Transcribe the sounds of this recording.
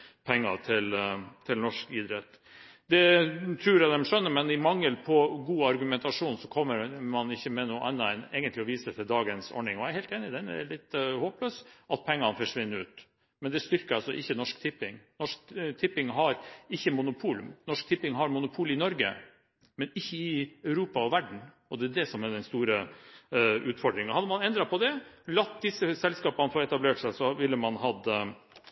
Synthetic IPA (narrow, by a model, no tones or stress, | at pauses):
pʰɛŋːɑt̪ʰɪlt̪ʰɪlnɔʂkɪd̪ɾɛt̪ː | d̪ɛt̪ʰɾʉːɾɛd̪ɛmʂœnːəɾmɛnɪmɑŋːəlpʰɔɡuːɑɾɡʉmɛnt̪ɑʂuːnsɔkʰɔmːəɾmɑnɪçːəmɛnuːʔɛ̰nːɑɛneːɡənt̪lɪɔʋiːsət̪ʰɪld̪ɑːɡənsɔ̰ɳɪŋɔæɾhɛːlt̪eːnɪd̪ɛnɛ̰lɪt̪ːhoːpløːsʔɑt̪̚pʰɛŋːɑnfɔʂʋɪnːəʉːt̪ | mɛnd̪ɛst̪ʏɾkəɾɑlsɔʔɪçːənɔʂkt̪ʰɪpːɪŋnɔʂkt̪ʰɪpːɪŋɦɑɾɪçːəmʊnʊpʰuːlmnɔʂk̚t̪ʰɪpːɪŋɦɑɾmʊnʊpʰuːlɪnɔɾɡə̰ | mɛnɪçːəɪœʉɾuːpɑɔʋæɖɳ̩ | ɔd̪ɛːd̪ɛsɔmɛɖ̪ɛnst̪uːɾə | ʔʉːt̪fɔɖɾɪŋɑhɑd̪ːəmɑnɛnd̪ɾɑpʰɔd̪ɛlɑt̪d̪ɪsːəsɛlskɑːpənəfɔɾɛt̪ɑbleːʈsæɪsɔʋɪlːəmɑnɦɑd̪